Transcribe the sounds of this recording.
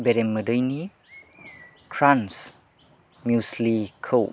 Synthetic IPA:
beɾemːədəjni | kʰɾans | mjuslikʰəw

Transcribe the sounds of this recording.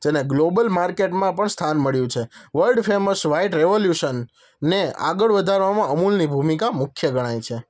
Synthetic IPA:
d͡ʒeneɡlobəlmaɾkeʈmãpəɳst̪ʰanməɭjũt͡ʃʰeʋəlɖfeməsʋaiʈɾeʋoljuʃənː | ea̰ɡəɭʋəd̪ʱaɾʋamãʔəmulnibʱumikamʊkʰjəɡəɽ̃ajt͡ʃʰe

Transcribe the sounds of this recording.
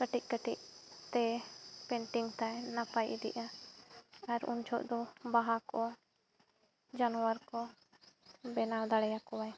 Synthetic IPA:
kəʈic̚ˀkəʈiʔ̚t̪ɛpɛɳʈiŋt̪ajnapajʔd̪ḭʔa | aɾṵnt͡ʃʰɔʔd̪ɔbaɦakɔ | d͡ʒanɔwaɾkɔ | bɛnald̪aɽɛjakɔwaj

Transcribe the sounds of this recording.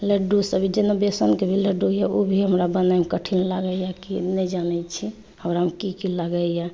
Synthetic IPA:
leɖusəbʱid͡ʒenəbesənkebʱileɖujɛobʱiɦəmɾabənamekəʈʰinlaɡəjakinɛd͡ʒanɛt͡ʃʰi | əʊɾaɦəmkikilaɡəja

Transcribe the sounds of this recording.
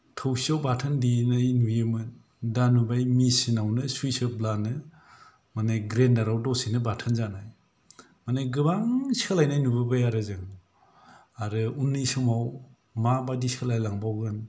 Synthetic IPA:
tʰɔwsiawbatʰɯndinajnujemɯn | danubajmisinawnɯsujsɯblanɯ | manaɡɾendaɾawdɔsinɯbatʰɯnzanaj | manɯɡɯbaŋsalajnajnubɯbajaɾɯzɯŋ | aɾɯunːisɯmaw | mabadisalajlaŋbawɡɯn

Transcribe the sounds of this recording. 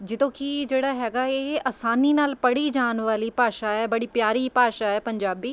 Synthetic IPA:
d͡ʒɪd̪õːkid͡ʒeːɽaːɦɛːɡaːeːəːsaːniːnaːlpəɽiːd͡ʒaːnʋaːliːpaːʃaːɛːbəɽiːpjaːɾiːpaːʃaːɛːpəɲd͡ʒaːbiː

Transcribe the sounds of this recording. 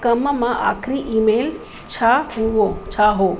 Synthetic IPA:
kəməmãʔa̰kʰɾiʔimel | t͡ʃʰaɦuot͡ʃʰaɦo

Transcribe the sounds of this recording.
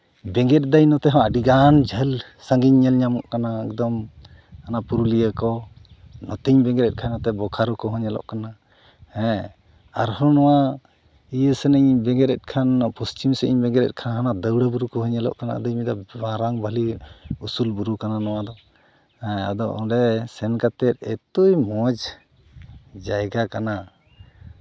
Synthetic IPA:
bɛŋɡɛt̪̚ˀd̪ajnɔt̪ɛɦɔ̃ʔaɖiɡand͡ʒʱəl | saŋɡiɲːɛlɲamɔʔkanaɛkd̪ɔm | anapuɾulijəkɔ | nɔt̪iɲbɛ̃ŋɡɛɾɛt̚kʰajnɔt̪ɛbɔkʰaɾukɔɦɔɲɛlɔ̰ʔkana | hɛ̃ | aɾɦɔnɔwa | ijəsɛnəɲbɛŋɡɛɾɛt̪̚kʰanpɔst͡ʃimsɛʔiɲbɛŋɡɛɾɛ̰t̚kʰanɦanad̪əwɽabuɾukɔɦɔɲəlɔ̰ʔkana̰a̰d̪ɔɲmid̪aaɾaŋbʱaliusulbuɾukananɔwad̪ɔ | hɛ̃a̰d̪ɔʔɔ̰ɾɛsɛnkat̪ɛt̪̚ɛt̪ujmɔd͡ʒ | d͡ʒajɡakana

